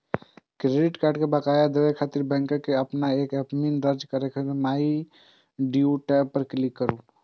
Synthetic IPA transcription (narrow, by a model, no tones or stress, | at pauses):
kɾeɖiʈkaɾɖkebəkajad̪ewekʰat̪iɾbɛ̃ŋkəkeəpnaekəpmind̪əɾd͡ʒkəɾekʰeemai | ɖiuʈɛpːəɾklikːəɾu